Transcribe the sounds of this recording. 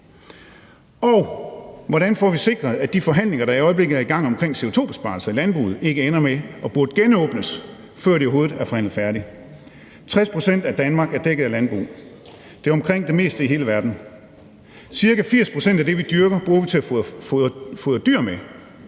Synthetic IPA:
ɒʊʋɒɾænfɒʋise̝ɡ̥ʁɐð̞̩ˠæd̥ifɒ̽ɦæn̰le̝ŋɐɾ̥ɑ̈iɒ̽ɪəb̥le̝ɡ̥ð̩ˠæiɡ̥ɑ̈ŋ̰ɒ̽mkʰʁeŋ̰se̝oʊt͡sʰo̝̰ːbe̥sb̥ɑ̰̈lsɐælænb̥ʁṵːð̩ˠe̝ɡ̥əenɐmeɒ̽b̥uɐd̥əɡ̥enɔ̽ːb̥nəs | fɶɐ̰ɾeoɦo̝ːð̩ˠæɐfɒ̽hæn̰ð̩ˠfæɐɾi | t͡sʰʁɛspʰʁo̝sen̰d̥æd̥ænmɑ̈ɡ̥æɐd̥eɡ̥əð̩ˠælænb̥ʁṵː | d̥e̝ɐɒ̽mkʰʁeŋ̰d̥e̝me̝̰ːsd̥əiɦe̝ːləʋæɐd̥n̩ | siɐkæfiɐ̰spʰʁo̝sen̰d̥æd̥e̝ʋid̥yɐɡ̥ɐb̥ʁuːɐʋit͡sʰe̝æfɔfoːðˠd̥yɐ̰me

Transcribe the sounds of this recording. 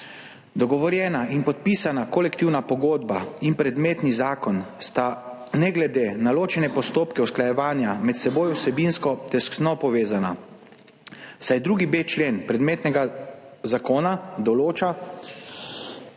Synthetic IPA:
d̪ɔɡɔʋɔɾjɛːnainpɔt̪̚pisanakɔlɛkt̪iwnapɔɡoːd̪bainpɾɛd̪meːt̪nizaːkɔnst̪a | nɛɡlɛd̪eːnaloːt͡ʃɛnɛpɔst̪oːpkɛuwsklajɛʋaːnjamɛt̪sɛboːjwsɛbinskɔt̪ɛsknɔpɔʋeːzana | sajd̪ɾuːɡibeːt͡ʃleːnpɾɛd̪meːt̪nɛɡazakoːnad̪ɔloːt͡ʃa

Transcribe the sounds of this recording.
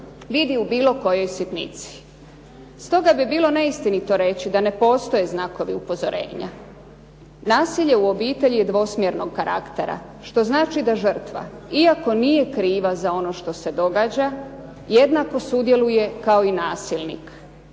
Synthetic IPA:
ʋid̪iubiːlo̞ko̞jo̞jsit̪nḭt̪si̥ | st̪o̞ɡabibiːlˠo̞ne̞ist̪init̪o̞ɾe̞t͡ɕid̪ane̞po̞ːst̪o̞je̞znako̞ʋiupo̞zo̞ɾʔḛːɲa̰ | naːsiʎe̞uo̞biːt̪e̞ʎijed̪ʋo̞smjeɾno̞ɡ̚kaɾʔa̰kt̪e̞ɾa̰ | ʃt̪o̞znaːt͡ʃid̪aʒər̩t̪ʋa̰iako̞nije̞kɾiːʋazao̞no̞ʃt̪o̞se̞d̪o̞ɡaːd͡ʑa | je̞d̪nako̞sud̪je̞luje̞kaoinaːsilˠnḭk

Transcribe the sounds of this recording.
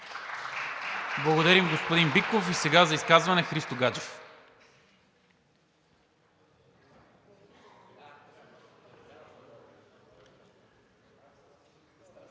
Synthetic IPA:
blˠɐɡod̪ɐɾimɡospod̪inbikofisɛɡazɐiskazvɐnɛxɾist̪oɡad͡ʒɛf

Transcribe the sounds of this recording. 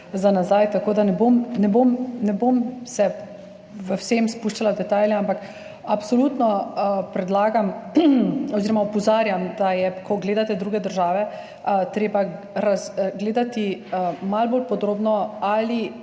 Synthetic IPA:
zanazajt̪akoːd̪anɛbomnɛbomnɛbomsɛ | ʋəwsemspuʃt͡ʃalad̪ɛt̪aːlʲjɛampak | apsɔluːt̪nɔpɾɛd̪laːɡam | ɔziːɾɔmaɔpɔzaːɾjamd̪ajɛkʰɔɡleːd̪at̪ɛd̪ɾuːɡɛd̪əɾʒaːʋɛ | t̪ɾeːba | ɾazɡleːd̪at̪iəmalbolpɔd̪ɾoːbnɔali

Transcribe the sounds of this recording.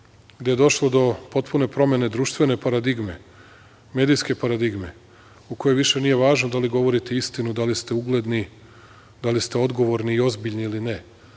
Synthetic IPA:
ɡd̪e̞jed̪o̞ʃlˠo̞d̪o̞po̞t̪pune̞pɾo̞me̞ne̞d̪ɾuːʃt̪ʋe̞ne̞paɾad̪iɡme̞̰ | me̞ːd̪ijske̞paɾad̪iɡme̞ | uko̞jojʋiʃe̞nije̞ʋaːʒnod̪aliɡo̞ʋo̞ɾit̪e̞ist̪inud̪alist̪e̞uɡle̞d̪ni | d̪alist̪e̞o̞d̪ɡo̞ʋo̞ɾniːo̞zbiʎʲniiline

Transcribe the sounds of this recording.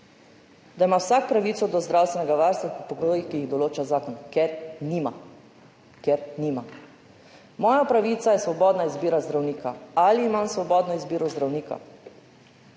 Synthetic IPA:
d̪aimawsakpɾaʋiːt̪sɔd̪ɔzd̪ɾawst̪ʋɛnɛɡaʋaɾst̪ʋapipɔɡoːjixkijiɣd̪ɔloːt͡ʃazaːkɔnkɛɾnima | kɛɾnima | mɔːjapɾaʋiːt̪sajɛsʋɔbɔːd̪naizbiːɾazd̪ɾawniːkaaliːmamsʋɔbɔːd̪nɔizbiːɾɔzd̪ɾawniːka̰

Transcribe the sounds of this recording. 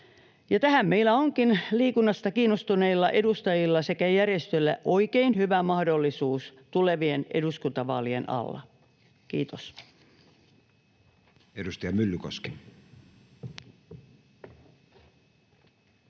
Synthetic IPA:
jɑt̪æhæmːeilæoŋkinliːkunːɑst̪ɑkiːnːost̪uneilːɑʔedust̪ɑjilːɑse̞kæjærjest̪ølːæ̰ʔo̞ikeinhyʋæmɑhdolːisuːst̪uleʋieneduskunt̪ɑʋɑːlienʔɑ̰lːɑ̰ | kḭːt̪os | edust̪ɑjɑmylːykoske̥

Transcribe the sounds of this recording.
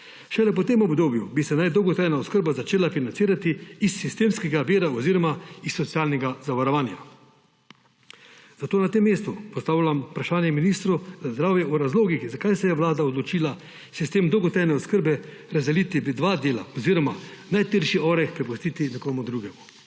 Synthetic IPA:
ʃɛlɛpɔt̪emɔbd̪oːbjubisɛnajd̪ɔwɡɔt̪ɾajnaɔskəɾbazat͡ʃeːlafinantsiːɾat̪iːsːist̪eːmskɛɡaʋiːɾaɔziːɾɔmaisːɔt̪sijaːlnɛɡazaʋaɾɔʋaːnja̰ | z̥at̪oːnat̪emːeːst̪upɔst̪aːwlʲampɾaʃaːnjɛminiːst̪ɾuzazd̪ɾaːwjɛuɾazloːɡixzakajsɛjɛʋlaːd̪aɔd̪lɔt͡ʃiːla | sist̪eːmd̪ɔwɡɔt̪ɾajnɛɔskəɾbɛ | ɾazd̪ɛliːt̪id̪ʋaːd̪eːla̰ɔziɾɔmanajt̪eɾʃiɔːɾɛkpɾɛpust̪iːt̪inɛkɔːmud̪ɾuːɡɛmu

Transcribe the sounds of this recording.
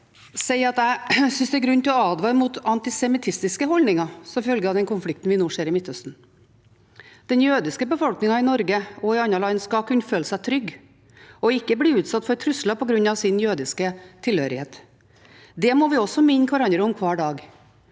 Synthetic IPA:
sɛɪɑt̪æɪsʏnsd̪ɛɾɡɾʉnːt̪ɪlɔɑːd̪ʋɑɾmut̪ɑnt̪ɪsɛmɪt̪ʰɪst̪ɪskəɦɔlnɪŋɑsɔmfœlɡəɑʋd̪ɛnkʊnflɪkt̪n̩ʋɪnoːʂeːɾɪmɪt̪hœst̪n̩ | d̪̥ɛnjøːd̪ɪskəbəfɔlknɪŋɑɪnɔɾɡəɔɪɑnːɑɭɑɪnskɑkʰʉnːføːləsæɪt̪ʰɾʏɡː | ɔɪkːəbliːʉːt̪sɑt̪ːfɔɾt̪ʰɾʉslɑpʰɔɡɾʉnːɑʋsɪnjøːd̪ɪskət̪ʰɪlhøːɾɪheːt̪ | d̪ɛmɔʋɪɔsːɔmɪnːəkʰʋɑɾɑnd̪ɾəʊmkʰʋɑːɖɑːɡ

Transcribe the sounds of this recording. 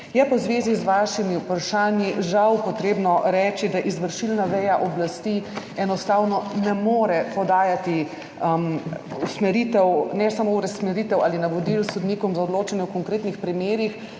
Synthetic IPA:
jɛpɐwzʋeːzizʋaːʃimiupɾaʃaːnjiʒawpɔt̪ɾeːbnɔɾɛːt͡ʃid̪aʔizʋəɾʃilnaʋɛjaʔɔblast̪i | ɛnɔst̪awnɔnɛmoːɾɛpɔd̪aːjat̪i | musmɛɾit̪ɛwnɛsamouɾɛsmɛɾiːt̪ɛwaːlinaʋɔd̪ilsɔd̪niːkɔmzaɔd̪loːt͡ʃanjɛwkɔŋkɾeːt̪nixpɾimeːɾix

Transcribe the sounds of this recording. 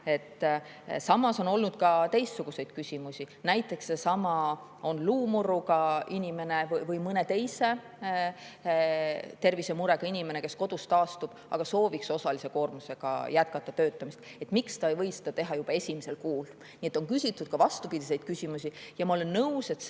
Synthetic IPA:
e̞t̪ːˑ | sɑmɑso̞no̞lnud̪̥̚kɑt̪e̞jst̪ːsuɡ̥use̞jd̪̥kysʲimusʲinæjt̪ːˑe̞ksːesɑmɑ | o̞nluːmurːukɑinʲime̞ne̞vvɤjmɤne̞t̪e̞jse̞ | t̪e̞rvise̞muɾe̞kɑinʲime̞ne̞ke̞sko̞d̪ust̪ɑːst̪ub̥ɑ̰ɡ̥ɑso̞ːvikso̞sɑlise̞ko̞ːrmuse̞ɡ̥ɑ̰jæt̪̚kɑt̪ːˑɑt̪ø̞ːt̪ːˑɑmist̪e̞t̪ˑmikst̪ɑejvɤjsed̪̥ɑt̪e̞ɦɑjub̥ɑe̞sʲimese̞lkuːl | nie̞t̪ːˑo̞ŋkysʲit̪ˑːud̪̥̚kɑvɑst̪upid̪ise̞jd̪̥̚kysʲimusʲijɑmɑo̞le̞nːɤuwse̞t̪

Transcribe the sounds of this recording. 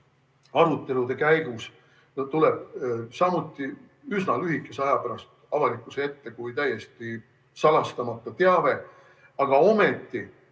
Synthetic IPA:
ɑɾut̪ːˑe̞lud̪e̞kæjɡ̥us | t̪ule̞b̥̚sɑmut̪ːˑi | ysnɑlyɦikːˑe̞seɑjɑpæɾɑst̪ | ɑvɑlikːˑusee̞t̪ːe̞kujt̪æjːe̞st̪i | sɑlɑst̪ɑmɑt̪ːˑɑt̪eɑve̞ | ɑɡ̥ɑo̞me̞t̪ːˑi

